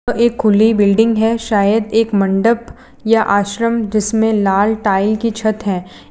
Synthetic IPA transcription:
eːkʰːʊlibɪlɖɪ̃ŋɡɦɛʃaːjəd̪eːkmɐ̃ɳɖəp | jaʔaːʃɾəmd͡ʒɪsmẽlaːlʈaːɪlkit͡ʃʰɐt̪ɦɛ̃ː

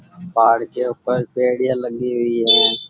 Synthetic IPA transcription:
paːɽkʰeːʊpəɾpeːɽɪjãːləɠiːɦʊiːɦəeː

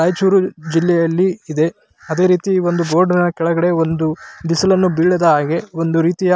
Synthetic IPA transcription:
ajt͡ʃuːɾud͡ʒilːɛjɐlːiːd̪e̞ | ɐd̪e̞ːɾiːt̪io̞nd̪ubo̞ːɾɖɐnɐkɛɭɐɡɐɽe̞o̞nd̪ud̪isɐlɐnːubiːɽɐd̪ɐɦaːɡe̞o̞nd̪uɾiːt̪ija

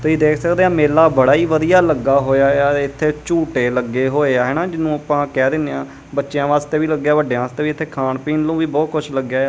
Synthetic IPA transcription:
t̪eːiːd̪eːkʰsəkd̪eːãːmeːlaːbəɽaːiːʋəd̪ijaːləɡaːɦoːjaːaːɪt̪ʰːeːt͡ʃuːʈeːləɡːeːɦoːeːaːɦɛːnaːd͡ʒɪnũːapãːkɛːd̪ɪnːeãː | bətːʃjãːʋaːst̪eːʋiːləɡːjaːʋəɖeãːst̪eːʋiːt̪ʰːeːkʰaːɳpiːnlũːʋiːbɔːkʊt͡ʃʰləɡjaː

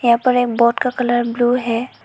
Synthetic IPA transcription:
jãpəɾeːk̚bɔːtkakɐləɾbluːɦɛː

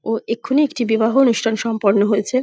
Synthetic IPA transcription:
oekʰːuniek̚ʈibibaɦoonuʃʈʰanʃɔmpoɾnoɦojet͡ɕʰe

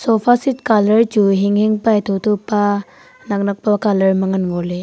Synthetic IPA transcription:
sɔpʰasitkalɐɾd͡ʒuɦiŋheŋpajtʰɔtʰɔpa | nak̚nak̚pakalɐɾmɐŋɐnɡɔle

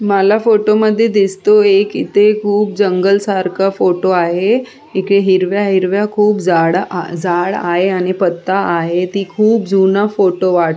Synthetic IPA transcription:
məlafoʈoməd̪ʱːjed̪ist̪oekḭt̪ekʰuːp̚d͡ʑəŋɡəlsaɾkafoʈoaɦe | ikɽeɦiɾʋjaɦiɾʋjakʰuːpd͡zaɭd͡zaɭa̰ɦeaɽ̃ipət̪ːaːɦet̪iːkʰuːp̚d͡zʱunafoʈoʋaʈ

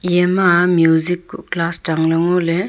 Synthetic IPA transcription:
jemamjuzikːuklasdaŋlɯŋole

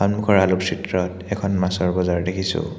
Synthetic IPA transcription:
anmukʰɔɹalupsitɹɔtɛkʰɔnmasɔɹbɔzaɹdekʰisʊ̰

